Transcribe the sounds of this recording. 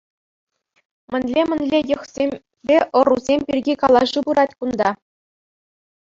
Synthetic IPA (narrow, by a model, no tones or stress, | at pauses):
mʲɘ̆nʲlʲemʲɘ̆nʲlʲejɤ̆χsʲemʲ | bʲeʔɤ̆ruzʲemʲpʲirʲɡʲikɑlˠɑʐɯbuɾɑtʲkund̪ɑ